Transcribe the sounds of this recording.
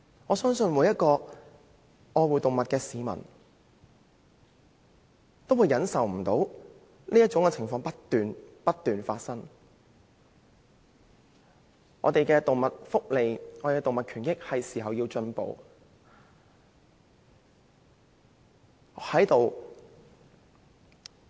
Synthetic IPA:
ŋɔː˨˧sœː˥ŋsɵ˧nwuː˨˥jɐ˥t̚kɔː˧ | ɔː˧wuː˨jt̪ʊ˨ŋmɐ˨t̚kɛː˧siː˨˧mɐ̰˨˩n | t̪o˥wuː˨˧jɐ˨˥nsɐ˨wm̩˨˩t̪o˨˥w | liː˥ɐ˥t̚t͡ʃʊ˨˥ŋkɛ˨˧t͡sʰɪ˨˩ŋfɔː˧ŋpɐ˥t̪yː˨npɐ˥t̪ːyː˨nfaː˧t̚sɐ˥ŋ | ŋɔ̰ː˨˧t̪e˨jkɛː˧t̪o˨ŋmɐ˨t̚fʊ˥k̚le˨jŋɔː˨˧t̪e˨kɛ˧t̪ŋmɐ˨t̚kʰyː˨˩njkɪ˥k̚hɐ˨jsiː˨˩ɦɐ˨wjiː˧wt͡ʃɵ˧npo̰˨˧w | hɐ˨˥jt̪o˨w

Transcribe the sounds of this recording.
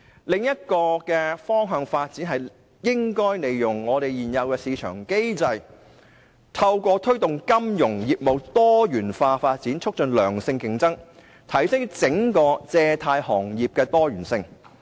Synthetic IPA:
lɪ˨ŋjɐ˥t̚kɔː˧kɛː˧fɔː˥ŋɦœː˨˧ŋfaː˧t̚t͡siː˨˥nɦɐ˨j | jɪ˥ŋkɔː˥jne˨jjʊ˨˩ŋŋɔː˨˧t̪e˨jjiː˨˩njɐ˨˧wkɛː˧siː˨˧t͡ʃʰœ̰ː˨˩ŋke˥jt͡sɐ˧j | t̪ʰɐ˧wkʷɔː˧t̪ʰɵ˥ɥt̪ʊ˨ŋkɐ˥mjʊ˨˩ŋjiː˨p̚mo˨˧wt̪ɔː˥jyː˨˩nfaː˧faː˧t̚t͡siː˨˥nt͡ʃʰɵ˥k̚t͡ʃɵ˨nlœː˨˩ŋsɪ˧ŋkɪ˨ŋt͡sɐ˥ŋ | t̪ʰɐ˨˩jsɪ˥ŋt͡sɪ˨˥ŋkɔː˧t͡sɛː˧t̪ʰaː˧jhɔː˨˩ŋjiː˨p̚kɛː˧t̪ɔː˥jyː˨˩nsɪ˧ŋ

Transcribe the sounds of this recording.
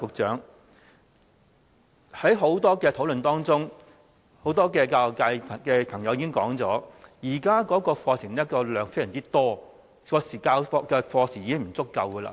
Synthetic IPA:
kʊ˨k̚t͡ʃœ̰ː˨˥ŋ | hɐ˨˥jɦo˨˥wt̪ɔː˥kɛː˧t̪ʰo˨˥wlɵ˨nt̪ɔː˥ŋt͡sʊ˥ŋ | ho˨˥wt̪ɔː˥kɛː˧kaː˧˨kaː˧jʰkɛː˧pʰɐ˨˩ŋjɐ˨˧wjiː˧˥ɪ˥ŋkɔ̰ː˨˥ŋt͡sɔ̰ː˨˥jiː˨˩kaː˥kɔː˨˥kɔː˧fɔː˧sʰɪ˨˩ŋ˥t̚kːɔː˧lœː˨˥ŋfe˥jɐː˨˩ŋt͡siː˥t̪ɔː˥ | kɔː˨˧siː˨˩kaː˧wfɔː˧kɛː˧fɔː˧sʰiː˨˩jiː˧˥ɪ˥m̩˨˩t͡sʊ˥kːɐ˨˧wkəː˧la̰ː˧

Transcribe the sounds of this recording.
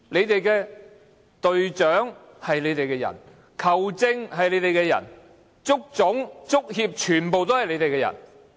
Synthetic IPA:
le˨˧jt̪e˨jkɛː˧ | t̪ɵ˨ɥt͡ʃœː˨˥ŋ | hɐ˨jle˨˧jt̪e˨jkɛː˧jɐ̰˨˩n | kʰɐ˨˩wt͡sɪ˧ŋhɐ˨jle˨˧˥t̪e˨jkɛː˧jɐ̰˨˩n | t͡sʊ˥k̚t͡sʊ˨˥ŋt͡sʊ˥k̚hiː˧p̚t͡ʃʰyː˨˩npo˨wt̪̬o˥whɐ˨jle˨˧jt̪e˨jkɛ˧jɐ̰˨˩n

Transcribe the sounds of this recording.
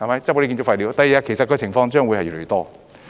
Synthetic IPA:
a˨˩ma˧jt͡ɕ̚kːe˥ki˧˩o˧˥fa˧jli˧˥wt̪aː˨˩ji˨˩a˧˩kʰe˨˩jsa˨˧t̚kɔː˧t͡ɕʰɪ˨˩ŋfɔː˧ŋt͡ɕœː˥˩ŋwu˨˧jhɐ˨˩jy˨˩˨t̪ɔː˥˩

